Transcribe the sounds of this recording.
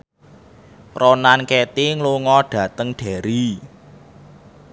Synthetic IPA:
rɔnankɛt̪iŋluŋɔɖ̥ä̤t̪əŋɖ̥ɛ̤ɾi

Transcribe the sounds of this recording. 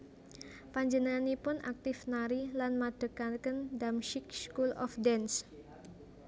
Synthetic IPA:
paɲd͡ʒənanipʊnʔa̰k̚t̪ɪfnaɾilanmad̥əkankəndamʃɪk̚skulɔ̰fdɛns

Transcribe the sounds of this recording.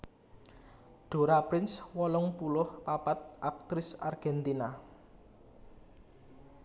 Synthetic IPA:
ɖ̥o̤ɾapɾɪnswɔlɔŋpulʊhpapat̪̚ʔak̚t̪ɾɪsa̰rɡ̥ɛnt̪ina

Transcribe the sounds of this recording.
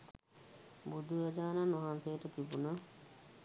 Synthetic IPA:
bud̪ʱuɾad͡ʒaːnanaɦansejəʈət̪ibuna

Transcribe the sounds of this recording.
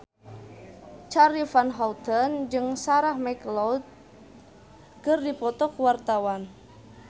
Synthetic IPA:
t͡ʃaɾifanɦɔlt̪ənd͡ʒɨŋsaɾahmɛklɔt̪̚ | kərdipɔt̪ɔkuwart̪awan

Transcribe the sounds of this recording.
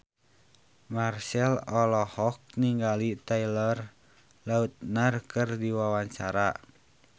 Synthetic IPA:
marsɛlɔlɔhɔk̚niŋɡalit̪ailɔr | laut̪̚nərkɨrdiwawaɲt͡ʃaɾa

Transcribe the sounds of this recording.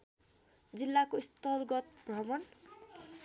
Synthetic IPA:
d͡zilːakoist̪ʌrɡʌt̪brʌmʌn

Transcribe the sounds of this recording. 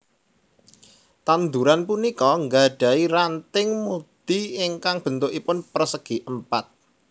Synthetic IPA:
t̪and̪uɾanpunikɔŋɡaɖ̥ä̤irant̪ɪŋmud̪̥iɪŋkaŋb̥ə̤nt̪ʊkipʊnpərsəɡ̥i̤ʔəmpat̪̚

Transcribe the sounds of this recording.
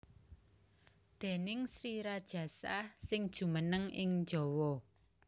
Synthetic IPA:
d̪̥e̤nɪŋsɾiɾad̥ʒ̥ä̤sasɪŋd̥ʒ̥ṳmənəŋɪŋd͡ʒɔwɔ

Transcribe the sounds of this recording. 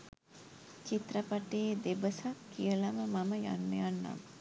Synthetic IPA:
t͡ʃit̪rəpaʈeːd̪ebəsakːijəlaməmaməja̰nːəjanːa̰m

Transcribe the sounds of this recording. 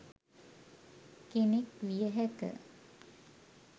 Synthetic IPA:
kenekʋijəɦækə̰

